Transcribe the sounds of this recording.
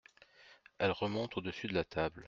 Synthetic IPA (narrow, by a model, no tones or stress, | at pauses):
ɛlʁəmɔ̃t̪od̪əsyd̪əlat̪ʰabl